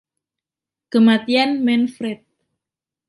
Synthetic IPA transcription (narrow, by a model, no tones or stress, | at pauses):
kəmat̪ianmɛnfɾɛt̪̚